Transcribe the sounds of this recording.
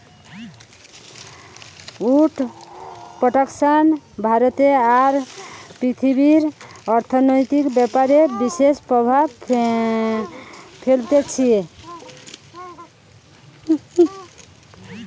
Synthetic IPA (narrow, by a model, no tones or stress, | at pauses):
uʈʰ | pɾɔʈaksanbʱaɾɔt̪eaɾpɾit̪ʰibiɾɔɾt̪ʰɔnɔjt̪ikbjɛpaɾebisespɾɔbʱab | pʰelt̪et͡ʃʰie